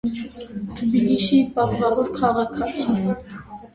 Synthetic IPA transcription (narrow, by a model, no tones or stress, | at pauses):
t̪ʰəbiliʃipɑt̪ʁɑvɔɾkʰɑʁɑkʰɑt͡sʰin